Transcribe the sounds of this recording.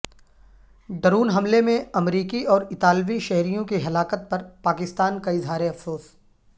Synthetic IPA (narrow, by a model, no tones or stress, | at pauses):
ɖɐɾuːnɦɐmlemẽɐmɾiːkiɔːɾɪt̪aːlʋiʃɛɦɾijõkiɦɐlaːkət̪̚pɐɾpaːkɪst̪aːnkaɪzɦaːɾeɐfsoːs